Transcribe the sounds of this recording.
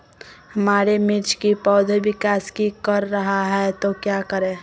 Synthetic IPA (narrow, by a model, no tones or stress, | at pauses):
həmaːɾemɪɾt͡ʃʰkipɔːd̪ʱbɪkaːskikəɾːəɦaɦɛt̪okjakəɾẽ